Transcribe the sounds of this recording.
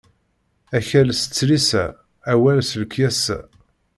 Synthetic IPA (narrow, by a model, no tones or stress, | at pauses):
æçælsə̥t͡sːɾisæ̰ː | wælsələkjæsæ̰